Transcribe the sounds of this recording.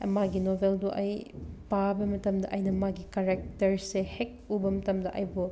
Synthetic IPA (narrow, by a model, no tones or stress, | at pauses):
maɡinobʱelduʔɐjpabɐmɐtɐmdɐʔɐjnɐmaɡikɐɾek̚tɐɾsehek̚ubɐmɐtɐmdɐʔɐjbu